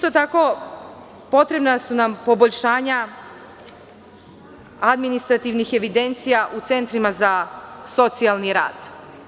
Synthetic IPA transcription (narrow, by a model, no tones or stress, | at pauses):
ist̪o̞t̪ako̞ | po̞t̪ɾe̞bnasunampo̞bo̞ʎʲʃaːɲa | ad̪minist̪ɾat̪iʋnixe̞ʋid̪e̞nt̪sijaʔut̪se̞nt̪ɾimazaso̞t̪sialˠniɾa̰ːd̪̥